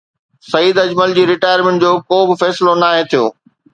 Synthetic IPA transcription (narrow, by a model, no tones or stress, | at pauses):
sɐiːd̪ɐd͡ʑməld͡ʑiːɾɪʈaːjəɾmẽɳʈd͡ʑoːkoːbɪfɛːsɪlonaːɦẽt̪ʰijo̰ː